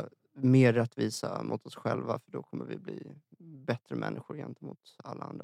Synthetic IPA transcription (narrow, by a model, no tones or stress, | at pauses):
meːɾɛt̪ːviːsamʔʊt̪ɔsɧɛlvafœɖɔkʰɔmːəɾvɪbliːbɛt̪ɾəmʔɛnːʔɪɧʊɾjɛnt̪əmʊːt̪alːaand̪ɾa